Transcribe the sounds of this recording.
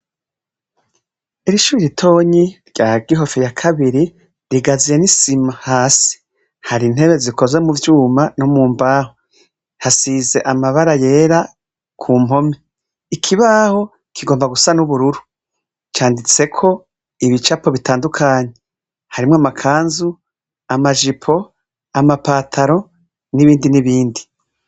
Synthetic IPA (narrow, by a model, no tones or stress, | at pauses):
iɾiʃuɾiɾitʰo̞ːɲiɾɟaːɡiɦo̞fijakʰaβiɾi | ɾiɡazije̞nisimahaːsi̥ | haɾin̥he̞βe̞zikʰo̞zwe̞muvjuːmanomuːmbaːho | hasize̞ʔamaβaɾaje̞ːɾa | kʰuːmo̞me | ikʰiβaho̞ | kʰiɡo̞ːmbaɡusanuβuɾuɾu | t͡ʃaːndit͡se̞kʰo̞ | iβit͡ʃapo̞βitaːndukʰaːɲe | haɾimŋwamakʰaːnzu | amaʒipʰo̞ | amapaːtʰaɾo̞ | niβiːndiniβiːndi